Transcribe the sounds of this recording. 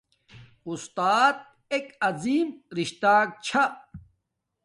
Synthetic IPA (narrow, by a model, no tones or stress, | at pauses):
ust̪aːt̪̚ | ekɐziːmɾiɕt̪aːk̚t͡ɕʰa